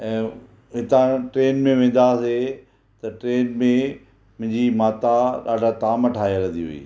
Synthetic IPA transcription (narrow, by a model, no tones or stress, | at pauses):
ɛ̃ː | ɦɪt̪ãʈɾeːnmẽʋẽːn̆d̪ase | t̪ɐʈɾeːnmẽ | mʊ̃ɦɪ̃ɲd͡ʑimaːt̪aɗa̰ːɖʱat̪aːmɐʈʰaːjaɾɐ̃d̪iɦṵḭː